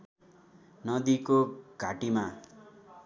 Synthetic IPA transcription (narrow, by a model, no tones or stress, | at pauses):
nʌd̪ikoɡ̥ʱaʈima